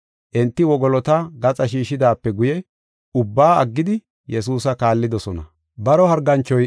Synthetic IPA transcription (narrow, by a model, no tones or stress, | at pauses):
ʔɛnt̪ːɪwɔɡɔlɔt̪ɐɡɐt͡sʼɐʃiːʃɪd̪aːpːɛɡʊjɛ | ʊbːaːɐ̰ɡːɪd̪ɪ | jɛsuːsɐkaːlːɪd̪ɔsɔnɐ̰ | bɐɾɔhɐɾɡɐnt͡ʃːɔj